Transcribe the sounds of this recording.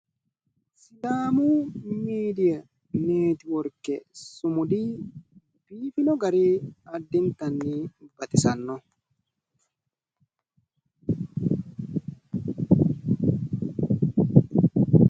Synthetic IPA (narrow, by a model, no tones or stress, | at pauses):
sɪlaːmumiːd̪ijɐ | neːt̪ɪwɔɾkːɛsʊmʊd̪i | b̥iːfɪnɔɡɐɾiɐd̪ːɪnt̪ɐnːib̥ɐt̪ɪsɐnːɔ